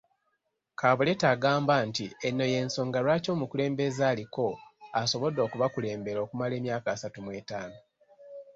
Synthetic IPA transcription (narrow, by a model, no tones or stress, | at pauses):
kʰaːβule̞taːɡaːmbantienːo̞je̞nso̞ːŋɡaɾwaːco̞ːmukule̞ːmbe̞zaːliko̞aso̞βo̞do̞ːkuβakule̞ːmbe̞ɾo̞ːkumale̞ːmjaːkaːsatumweːtaːno